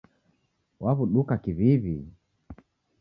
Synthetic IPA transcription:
waβuɗukakiβiβi

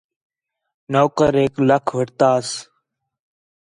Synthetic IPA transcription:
noːkəɾeːkləkʰʋəʈt̪aːs

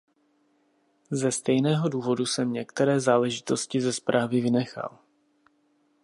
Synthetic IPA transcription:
zɛst̪ɛjnɛːɦo̞duːvo̞dusɛmɲɛkt̪ɛɾɛːzaːlɛʒɪt̪o̞scɪzɛspɾʔaːvɪvɪnɛxa̰l

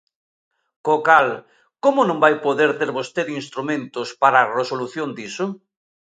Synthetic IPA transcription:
kokal | komʊnõmbajpoðeɾt̪eɾβost̪eɾinst̪ɾumẽnt̪ʊspaɾaːresoluθjond̪isʊ

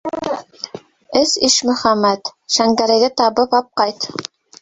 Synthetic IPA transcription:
ɘsiʃmɵ̆χæmːæt̪ʃæŋɡæɾæ̆jðɘt̪ɑβɤβɑp̚qɑjt̪

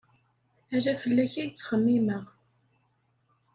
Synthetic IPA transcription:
æɾæfəlːæçæjt͡sːχəmːiməʁ

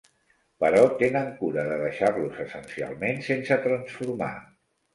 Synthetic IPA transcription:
pəɾɔt̪enəŋkuɾəðəðəʃarluzəsənsia̰lˠmensensət̪ɾənsfuɾma̰

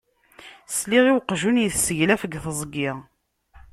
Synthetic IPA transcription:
sliʁiwqʒunjəθsəʝlæfəɡθəzˤɡɪʁ

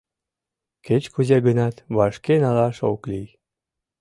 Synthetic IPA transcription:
ket͡ɕkuzeɡənɑt̪βɑʃkenɑlɑʃoklij

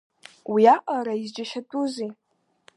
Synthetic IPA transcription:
wiaʔʼaɾaizd͡ʒaʃatʼuzi

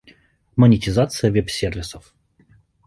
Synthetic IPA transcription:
mənʲɪtʲɪzat̪sɨjəvʲɛpsʲervʲɪsəf

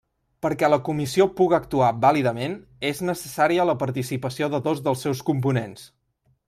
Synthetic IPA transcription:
pəɾkɛləkumisiopuɣəək̚t̪uabaliðəmen | eznəsəsaɾiələpəɾt̪isipəsioðəðozðəlˠsːɛwskump̬unens

